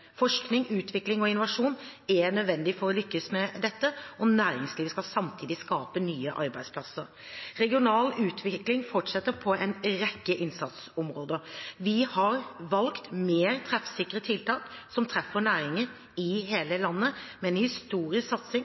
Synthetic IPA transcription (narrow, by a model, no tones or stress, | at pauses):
fɔʂknɪŋʉːt̪ʰʋɪklɪŋɔɪnʊʋɑʂuːnɛnœd̪ʋɛnd̪ɪfɔɾɔlʏkːəsmɛd̪ɛt̪ːəɔnæːɾɪŋsliːʋəskɑlsɑmt̪ʰiːd̪ɪskɑːpənyːəʔɑɾbæɪspʰlɑsəɾ | ɾɛɡɪʊnɑːlʉːt̪ʰʋɪklɪŋfɔʈʂɛt̪ːəɾpʰɔɛnɾɛkːəʔɪnsɑt̪sɔmɾoːd̪əʋɪhɑɾʋɑlkt̪meːɾt̪ʰɾɛfsɪkːəɾət̪ʰɪlt̪ɑːksɔmt̪ʰɾɛfːəɾɳæːɾɪŋəɾ | ɪheːləlɑnːəmɛɛnhɪst̪uːɾɪsksɑt̪sɪŋ